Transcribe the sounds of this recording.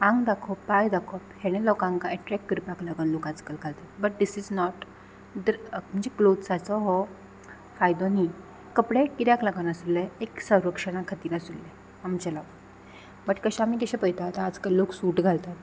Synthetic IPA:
ãŋɡd̪akʰɔajd̪akʰɔphɛɽ̃ẽlɔkãŋkaɛʈɾɛkːəɾpaklaɡənlokad͡zkəlɡʱalt̪at̪̚bəʈ̚d̪isid͡znɔʈ | d̪əɾm̤ənd͡ʑeklod̪sat͡sɔɦɔ | fajd̪ɔ̃ni | kəpɽekiɾjakləɡənasulːeeksəwɾəkʂəɽ̃ãkʰat̪iːlasulːe | amit͡ɕəlaʋ | bəʈkəɕaamiːt̪aɕãpəjt̪ʰat̪aːd͡zkəlːoksuːʈɡʱalt̪at̪

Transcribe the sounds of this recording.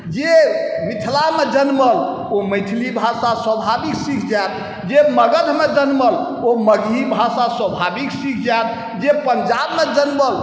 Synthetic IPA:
d͡ʒemit̪ʰlamed͡ʒənməl | oməjt̪ʰlibʱasaswəbʱabiksikʰd͡ʒat̪̚ | d͡ʒeməɡəd̪ʱmed͡ʒənməl | oməɡibʱasaswəbʱabiksikʰd͡ʒat̪̚ | d͡ʒepənd͡ʒabmed͡ʒənməl

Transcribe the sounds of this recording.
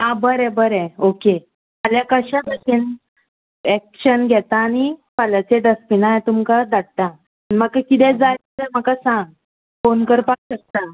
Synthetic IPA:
abəɾɛ̃bəɾɛ̃oke | aljakəɕãnəkin | ɛkɕənɡʱɛt̪aːñipalat͡seɖəspinajt̪umkad̪aɽ̚t̪a | niməɡkakit̪ɛ̃d͡zaɾit͡səməkasãŋɡ | fonkəɾpakɕək̚t̪a

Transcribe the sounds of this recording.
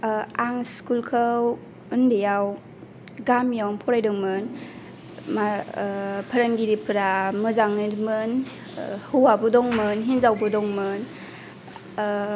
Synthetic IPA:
aŋskulkʰəw | ɯndejaw | ɡamjawnpʰɔɾajdɯŋmɯn | ma | pʰəɾaŋɡiɾipʰɯɾamɯzaŋɯɾmɯn | hɯwabɯdɔŋmɯnɦinzawbɯdɔŋmɯn

